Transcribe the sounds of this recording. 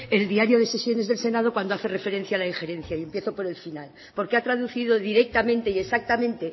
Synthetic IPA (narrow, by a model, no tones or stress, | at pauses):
e̞ld̪iaɾjo̞ð̞e̞se̞sjo̞nezðe̞lse̞nað̞o̞kwand̪oaθe̞re̞fe̞ɾe̞n̟θjaːlaiŋxe̞ɾẽ̞n̟θjaie̞mpje̞θo̞po̞ɾe̞lfinal | po̞ɾkeat̪ɾaðuθið̞o̞ðiɾe̞k̚t̪amẽnt̪eie̞sak̚t̪amẽnt̪e̞